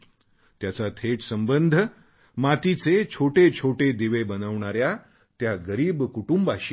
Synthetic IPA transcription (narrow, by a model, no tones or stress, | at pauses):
t̪jat͡sat̪ʰeʈsəmbənd̪ʱ | mat̪it͡set͡ɕʰoʈet͡ɕʰoʈed̪iʋebənəʋɳ̃aɾja | t̪jaɡəɾiːbkuʈumbaɕ